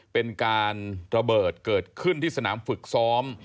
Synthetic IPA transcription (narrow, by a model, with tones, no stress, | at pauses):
pe˧nkaː˧nɾa˧bɤː˨˩t̪̚kɤː˨˩t̪̚kʰɯ˥˩nt̪ʰiː˥˩sa˧na̰ː˩˦mfɯ˨˩k̚sɔː˦˥m